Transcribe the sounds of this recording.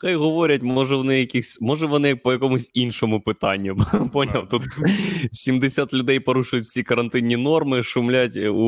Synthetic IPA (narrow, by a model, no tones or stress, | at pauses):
xajɣɔʋɔɾʲɐtʲmɔʐɛʋɔnɪjɐkʲixsʲmɔʐɛʋɔnɪpɔjɐkɔmʊsʲinʃɔmʊpɪt̪ɑnʲːʊponʲilˠt̪ut̪sʲimd̪ɪsʲat̪lʲʊd̪ɛjpɐɾuʃʊjʊtʲwsʲikɐɾɐnt̪ɪnʲːinɔrmɪʃʊmlʲatʲu